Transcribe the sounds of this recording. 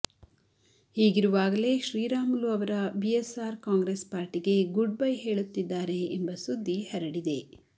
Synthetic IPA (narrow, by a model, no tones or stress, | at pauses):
hiːɡiɾuʋaːɡɐle̞ːʃɾiːɾaːmɐluɐʋɐɾɐbiesaːɾkaːŋɡɾespaːɾʈiɡeɡuɖ̚bɐjɦe̞ːɭut̪ːid̪ːaːɾe̞ːmbɐsud̪ʱːihɛɾɐɽid̪e̞